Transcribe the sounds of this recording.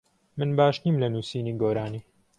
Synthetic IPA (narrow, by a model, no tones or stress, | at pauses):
mɨnbaːʃniːmlɐnuːsiːniːɡoːɾaːniː